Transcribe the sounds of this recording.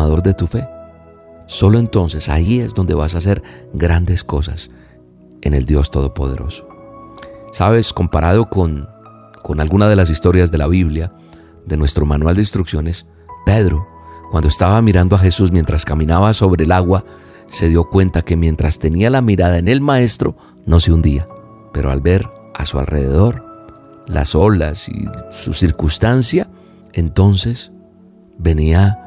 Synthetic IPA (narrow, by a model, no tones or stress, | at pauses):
aðo̞ɾd̪e̞t̪ufe̞ | so̞lo̞e̞nt̪o̞nse̞sa̰ie̞zd̪o̞nd̪e̞βasas̬e̞ɾɡɾand̪e̞sko̞sa̰s | e̞̰ne̞ld̪jo̞st̪o̞ð̞o̞po̞̰ð̞e̞̰ɾo̞̰so̥ | saβe̞sko̞mpaɾaðo̞kon | ko̞nalɡunaðe̞las̬ist̪o̞ɾjazðe̞laβiβlja | ðe̞nwe̞st̪ɾo̞manwald̪inst̪ɾuksjo̞ne̞s | pe̞ðɾo | kwand̪oe̞st̪aβamiɾand̪o̞axe̞suzmje̞nt̪ɾaskamĩnaβaso̞βɾe̞ːlaɣwa | se̞ðjo̞kwe̞nt̪ake̞mje̞nt̪ɾast̪e̞nialamiɾaðaene̞lmae̞st̪ɾo̞ | no̞seund̪ia | pe̞ɾo̞a̰lbe̞ɾ | a̰sua̰lre̞ðeð̞o̞ɾ | la̰so̞lasḭsṵsiɾkust̪ansja | e̞nt̪o̞nse̞s | be̞nia